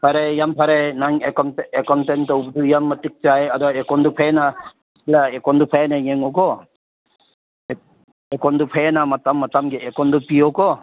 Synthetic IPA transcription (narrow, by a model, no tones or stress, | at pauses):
pʰaɾejampʰaɾenaŋekɔnekɔntentɔubdujamːatik̚t͡ʃajadɔekɔndupʰajena | laekɔndupʰajenajŋeŋɔkɔ | ekɔndupʰajenamatamːatamɡeekɔndupiɔkɔ